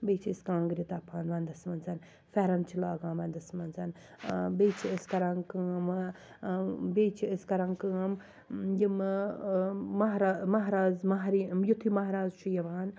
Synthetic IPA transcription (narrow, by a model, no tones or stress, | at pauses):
beːt͡ʃʰiɨskãːŋɡɾit̪apʰaːnʋɐnd̪ɐsmɐnzɐn | fɛɾɐmt͡ʃʰilaːɡãːnʋɐnd̪ɐsmɐnzɐn | beːt͡ʃʰiəskɐɾɐŋkɨɐm | beːt͡ʃʰiɐskɐɾɐŋkɨɐm | jim | ɐɦɾaːmɐɦɾaːzmɐɦɾijut̪ʰimɐɦɾaːzt͡ʃʰujɐʋaːn